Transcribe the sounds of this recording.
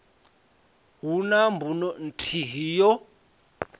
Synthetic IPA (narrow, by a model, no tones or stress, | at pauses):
ɦunambunɔn̩tʰiɦijɔ